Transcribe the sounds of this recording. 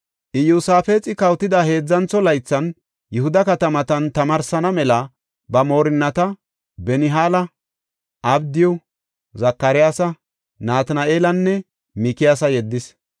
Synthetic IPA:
ʔɪjuːsaːfeːt͡sʼɪkɐwt̪ːɪd̪ahe̞ːd͡zːɐnt͡sːɔlɐjt͡sːɐn | jʊhʊd̪ɐkɐt̪ɐmɐt̪ɐnt̪ɐmɐɾsɐnɐmɛlɐ | bɐmo̞ːɾɪnːɐt̪ɐ | bɛnɪɦaːlɐ | ʔɐbd̪ɪjɔ | zɐkːɐɾɪjaːsɐ | naːt̪nɐʔeːlɐnːɛ | mɪkɪjaːsɐjɛd̪ːɪs

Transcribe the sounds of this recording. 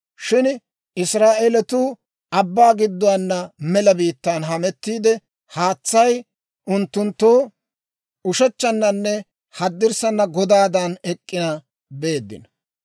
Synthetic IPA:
ʃɪn | ɪsɾaːʔelɛt̪uː | ʔɐbːaːɡɪd̪ːʊwanːɐmɛlɐbiːt̪ːaːnɦɐmɛt̪ːiːd̪ɛ | haːt͡sːɐj | ʔʊnt̪ːʊnt̪ːoː | ʊʃɛt͡ʃːɐnːɐnːɛ | hɐd̪ːɪɾsɐnːɐɡɔd̪aːd̪ɐnɛkʼːɪja | be̞ːd̪ːɪ̰nɐ

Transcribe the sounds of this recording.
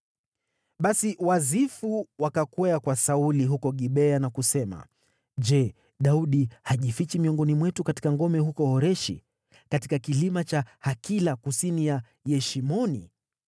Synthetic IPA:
ɓasiwazifuwakakwɛakwasauliɦukɔɠiɓɛanakusɛma̰ | d͡ʒɛ | ɗauɗihaʄifit͡ʃimiɔŋɡɔnimwɛtukati̥kaŋɡɔmɛɦukɔhɔɾɛʃḭ | katikakilimat͡ʃahakilakusinija | jɛʃimɔnḭ

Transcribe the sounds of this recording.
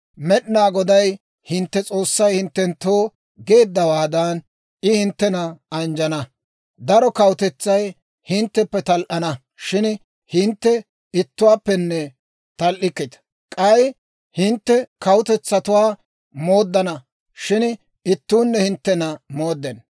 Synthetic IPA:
mɛɗnaːɡɔd̪ɐj | hɪnt̪ːɛt͡sʼo̞ːsːɐjhɪnt̪ːɛnt̪oː | ɡe̞ːd̪ːɐwaːd̪ɐn | ʔɪhɪnt̪ːɛnɐɐnd͡ʒɐnɐ | d̪ɐɾɔkɐwʊt̪ɛt͡sːɐj | hɪnt̪ːɛpːɛt̪ɐlʔɐnɐ | ʃɪn | hɪnt̪ːɛ | ɪt̪ːʊwaːpːɛnːɛ | t̪ɐlʔɪkːɪt̪ɐ̥ | kʼɐj | hɪnt̪ːɛkɐwʊt̪ɛt͡sːɐt̪ʊwaː | mo̞ːd̪ːɐnɐ | ʃɪn | ɪt̪ːuːnːɛhɪnt̪ːɛnɐmo̞ːd̪ːɛn

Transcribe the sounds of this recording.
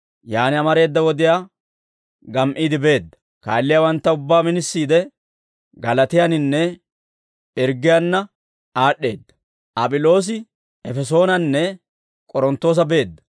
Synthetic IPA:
jaːnɪɐmɐɾe̞ːd̪ːɐwɔd̪ɪjaː | ɡɐmʔiːd̪ɪbe̞ːd̪ːɐ̥ | ka̰ːlːɪjawɐnt̪ːɐʊbːaːmɪnɪsːiːd̪ɛ | ɡɐlɐt̪ɪjɐnɪnːɛ | ɛɾɡɪjanːɐ | aːɗːe̞ːd̪ːɐ̥ | ʔɐpʼɪlo̞ːs̬ɪ | ɛfɛs̬o̞ːnɐnːɛ | kʼɔɾɔnt̪ːo̞ːs̬ɐbe̞ːd̪ːɐ̥

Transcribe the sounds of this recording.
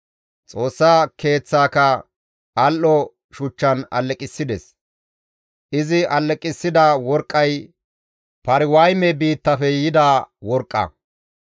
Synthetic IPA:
t͡sʼo̞ːsːaːkʰe̞ːt͡sːaːkɐ | ɐlʔɔ | ʃʊt͡ʃːɐnɐ̰lːɛkʼɪsːɪd̪ɛs | ʔɪzɪʔɐlːɛkʼɪsːɪd̪awɔɾkʼːɐj | pɐɾɪwɐjmɛbiːt̪ːɐfɛjɪd̪aːwɔɾkʼːɐ̰

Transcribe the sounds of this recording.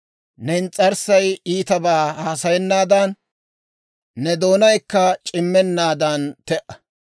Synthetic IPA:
nɛɪnt͡sʼːɐɾsɐjiːt̪ɐbaːhaːsɐjɛnːaːd̪ɐn | ɛd̪o̞ːnɐjkːɐt͡ʃʼɪmːɛnːaːd̪ɐnt̪ɛʔɐ

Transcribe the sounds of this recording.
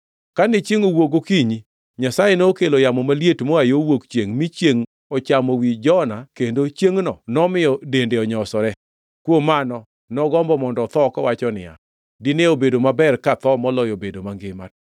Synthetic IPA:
kanɪt͡ʃeŋowoɡokiɲi | ɲasajenookelojamɔmaljetmɔajowokt͡ʃjeŋmit͡ʃjeŋ | ɔt͡ʃamowid͡ʒɔnakendot͡ʃjeŋnɔnɔmɪjɔdendeɔɲɔsɔɾɛ | kwomanɔ | nɔɡɔmbɔmɔndɔt̪ɔkɔwat͡ʃɔnɪ̰ja̰ | dineobedomabɛrkat̪ɔmɔlɔjobedomaŋɡɪmat

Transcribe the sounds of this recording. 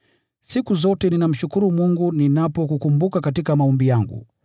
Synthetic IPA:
sikuzɔtɛninam̩ʃukuɾumuŋɡuninapɔkukumbukakatikamaɔmbijaŋɡṵ

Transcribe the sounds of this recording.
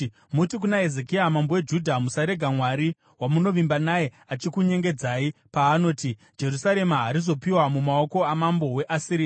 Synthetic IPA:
mutik̬unaezekiamambo̞we̞d͡ʒudʱamusaɾe̞ɡʱamwaɾi | wamuno̞ʋimbanaje̞ | at͡ʃikuɲe̞ŋɡe̞d͡zaːipaːno̞ːti | d͡ʒe̞rusaɾe̞maɦaɾizo̞piwamumao̞ko̞amambo̞we̞ʔasiɾiːa

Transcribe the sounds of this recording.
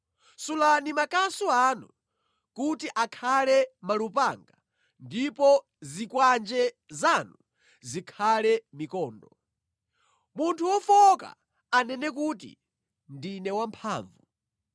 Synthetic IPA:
sulanimakasuanu | kutiʔakʰalɛmalupaŋɡa | ndipɔ | zikwand͡ʒɛ | zanu | zikʰalɛmikɔːndɔ | muntʰuwɔfɔka̰ | anɛnɛkutḭ | ndinɛwampʰa̰ːɱvu

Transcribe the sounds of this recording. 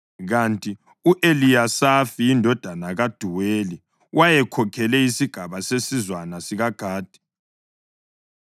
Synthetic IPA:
ɣantʼi | uʔelijasafiindʱɔd̥ʱanaɣad̥ʱuweli | wʔajɛkʰɔkʰɛlɛisiɡ̥ʱaβasesizwanasiɣaɡ̥ʱaːd̥ʱɛ̥

